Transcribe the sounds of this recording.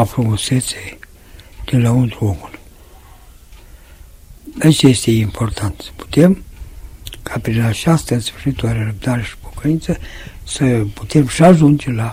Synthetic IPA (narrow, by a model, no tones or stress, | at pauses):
afɾumuse̞t̪se | d̪̥elaunt̪ɾuo̞mul | d̪et͡ʃje̞st̪e̞impʰo̞rt̪ant̪sə̥pu̥t̪e̞m | kʰapɾinat͡ʃast̪əɨnsfɨrʃit̪ulaɾeɾəb̚d̪aɾe̞ʃi̥po̥kəint̪səsəput̪e̞mʃiaʒund͡ʒe̞la